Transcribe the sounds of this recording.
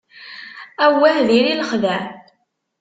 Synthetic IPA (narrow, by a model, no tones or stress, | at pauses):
æwːæhðiɾiləχðæ